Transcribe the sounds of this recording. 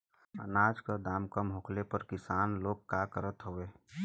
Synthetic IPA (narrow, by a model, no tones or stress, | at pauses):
ə̰naːd͡ʒkad̪aːmkəmɦʊkʰlepəɾkɪsaːnloːɡ̚kːaːkəɾət̪ɦoeː